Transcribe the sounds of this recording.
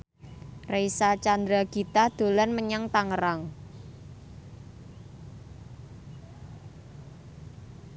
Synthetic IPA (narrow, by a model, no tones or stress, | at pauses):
rejsat͡ʃand̪ɾaɡ̥it̪ad̪̥o̤lanməɲaŋt̪aŋəɾaŋ